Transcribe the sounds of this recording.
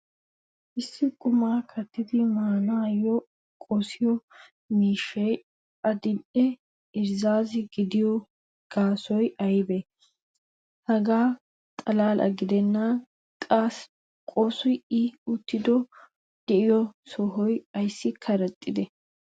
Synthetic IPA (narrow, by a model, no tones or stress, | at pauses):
ʔɪsːɪkʼʊmaːkʰɐt̪ːɪd̪ɪmaːnaːjːɔ | kʼɔsɪjɔ | miːʃːɛj | ɐd̪ɪnʔɛ | ɪɾzaːzɪɡɪd̪ɪjɔ | ɡ̥aːsɔjɐjbɛ | hɐɡaː | t̪ʼɐlaːlʔɐ̰ɡɪd̪ɛnːaː | kʼas | kʼɔsʊjɪʊt̪ːɪd̪ɔ | d̪̥ɛʔɪjɔsɔɦɔjɐjsːɪkʰɐɾɐt̪ʼːɪd̪ɛ